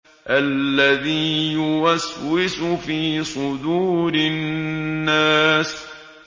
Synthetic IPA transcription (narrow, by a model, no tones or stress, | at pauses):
ʔalːaðiːjʊwaswɪsʊfiːsˤʊd̪uːɾɪː | aːs